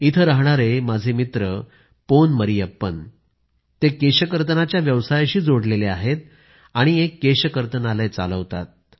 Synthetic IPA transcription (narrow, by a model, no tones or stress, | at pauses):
it̪ʰəɾaɦɳaɾemad͡zʱemit̪ɾə | ponməɾijəpːən | t̪ekeɕəkəɾt̪̬ənat͡ɕjaʋjəʋsajɕiːd͡zoɽleleaɦet̪̚ | aɽ̃iekːeɕəkəɾt̪ənalajt͡sa̰ləʋt̪a̰t̪̚